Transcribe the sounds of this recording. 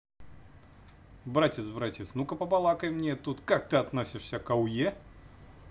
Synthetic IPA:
bɾatʲɪt̪sbɾatʲɪt̪snukəpɐpɐlˠakəjmnʲet̪ut̪kak̚t̪ɨɐt̪nosʲɪʂsʲəkɐwje

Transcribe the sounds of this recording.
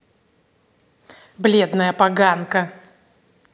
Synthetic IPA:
blʲed̪nəjəpɐɡankə

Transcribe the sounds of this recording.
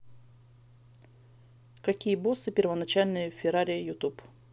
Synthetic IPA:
kɐkʲijəbosɨpʲɪrvənɐt͡ɕalʲnɨjəfʲɪɾaɾʲɪjəjʊt̪up

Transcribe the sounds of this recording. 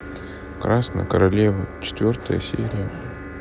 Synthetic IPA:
kɾasnə̰jəkəɾɐlʲevət͡ɕɪ̥t̪vʲo̞rt̪əjə̰sʲeɾʲɪjə

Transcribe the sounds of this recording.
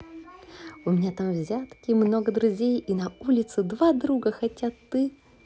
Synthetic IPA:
ʊmʲɪnʲat̪amvzʲat̪kʲɪmno̞ɡəd̪ɾʊzʲejinɐulʲɪt̪sɨd̪vad̪ɾuɡəxɐtʲat̪ɨ

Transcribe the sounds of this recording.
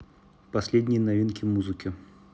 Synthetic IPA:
pɐsʲlʲedʲnʲɪjnɐvʲinkʲɪmuzɨkʲɪ

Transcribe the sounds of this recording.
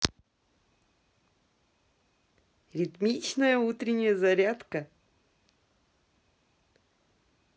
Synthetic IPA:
rʲit̪mʲit͡ɕnəjəut̪ɾʲɪnʲɪjəzaɾʲat̪kə

